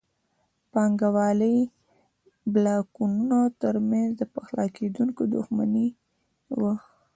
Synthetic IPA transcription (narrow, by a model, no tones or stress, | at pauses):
pɑŋɡawɑləj | blɑkununot̪əɾmanzd̪əpaxlɑked̪uŋkod̪ʊxma̰ni | wəx